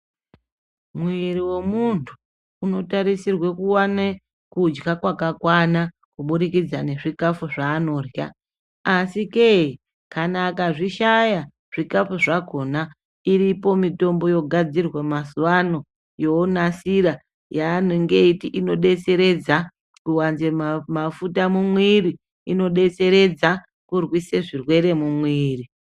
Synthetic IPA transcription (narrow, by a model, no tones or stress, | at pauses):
muiɾiwe̞muntʰuː | no̞taɾisirwekuwane | kud͡ʒɡakwakakwana | kuɓuɾikid͡zane̞ʐikafuʐaːno̞ːrja̰ː | sikei | kanaːkaʐiʃaja | ʐ̥ikafuʐako̞na | iripo̞mito̞mbo̞jo̞ɡʱad͡zirwemasuwano̞ | jonasiɾa | jaːnoŋɡe̞itiʔino̞ɗe̞t͡se̞ɾe̞d͡za | kuwanzemafutamumwiːɾi | ino̞ɗe̞t͡se̞ɾe̞d͡za | kurwiseʐirwe̞ɾe̞mumwiːri